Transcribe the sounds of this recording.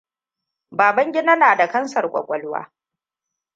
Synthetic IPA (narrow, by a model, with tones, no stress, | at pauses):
baː˨bɐ˦ŋɡʲɪ˦naː˦naː˨da˨kɐ˦nsɐ˨rkʷʼɔ̰˨kʷʼɔ˨lwa̰ː˦